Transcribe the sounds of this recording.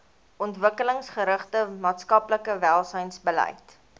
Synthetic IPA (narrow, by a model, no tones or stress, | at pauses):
ɔntvəkələŋsχəɾəχtəmɑːtskɐpləkəvælˠsəjnsbəlɛ̰jt